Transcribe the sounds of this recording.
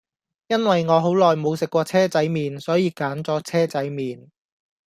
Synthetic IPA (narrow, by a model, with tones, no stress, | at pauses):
jɐ˥nwɐ˨jŋɔː˨˧ɦo˨˥wlɔː˨˩jmo˨˧wsɪ˨kːʷɔː˧t͡sʰɛː˥t͡sɐ˨˥jmiː˨nsɔː˨˥jiː˨˧kaː˨˥nt͡sɔː˨˥t͡sʰɛː˥t͡sɐ˨˥jmiː˨n